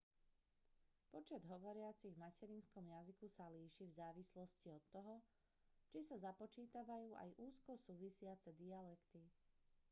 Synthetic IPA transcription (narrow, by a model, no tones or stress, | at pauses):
pɔt͡ʃɛd̪ɦɔʋɔɾɪat͡siɣmacɛɾinskɔmjazikusaliːʃivzaːʋislɔsciɔt̪ːɔɦɔ | t͡ʃisazapɔt͡ʃiːt̪aʋajuːʔa̰jʔuːskɔsuːʋisɪat͡sɛd̪ialɛkt̪i